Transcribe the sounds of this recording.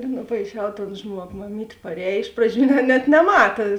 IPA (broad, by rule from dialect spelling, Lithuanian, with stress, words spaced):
nʊpɐɪˈʃʲɛʊ toːn ˈʒmuɔɡoː mɐˈmʲiːtʲ pɐrʲˈɛːj ˈɪʃ prɐˌd͡ʒʲuː nʲɛt nʲɛˈmɑːtɐ